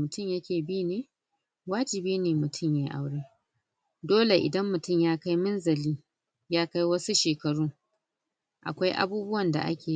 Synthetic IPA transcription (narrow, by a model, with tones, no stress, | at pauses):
mʊ˨tʊ˦˨mjɐ˦kʲeː˨biː˦neː˦ | waː˦d͡ʒɪ˨biː˦neː˨mʊ˨tʰʊ˦˨mjaː˦ʔa̰˦wɽeː˦ | doː˦le˨ʔɪ̰˨dɐ˦mːʊ˨tʊ˦˨mjaː˦ka˦jmʊ˦nzɐ˨liː˦ | jaː˦ka˦jwɐ˦su˦ʃeː˨kɐ˨ɽuː˦ | ʔa̰˨kʷa˦jʔa̰˦buː˦bʊ˦wɐ˨nda̰˨ʔa̰˦kʲeː˨